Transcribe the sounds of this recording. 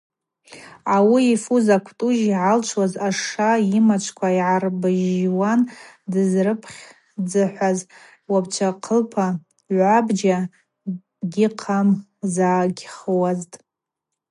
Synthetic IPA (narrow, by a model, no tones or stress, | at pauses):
awiːfuzakʷʰtʼuʒiʕalt͡ʃʷʰwazaʂaimat͡ʃʷʰkʷʰaiʕarbɨʒwandɨzrɨpʰχʲ | d͡zɨħʷaz | wabt͡ʃʷʰaqʰəlpʰa | abd͡ʒa | ɡʲɪqʰam | zaːɡʲχəwaztʼ